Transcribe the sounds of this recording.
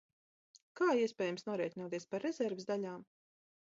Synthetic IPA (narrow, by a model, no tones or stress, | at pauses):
kaːiɛspʲɛːjamsnuɔɾɛɛt̪ʲinuɔt̪iɛspaɾːɛzɛɾvsd̪aʎʲaːm